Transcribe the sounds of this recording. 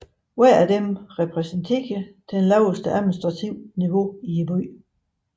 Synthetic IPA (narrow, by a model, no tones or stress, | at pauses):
wæɐ̰æd̥emʁɛpʰʁɛsənt͡sʰeɡ̥əd̥enlɑʊəsd̥əæðˠminisd̥ʁɑ̈t͡sʰiʊ̰niʋo̝iebyː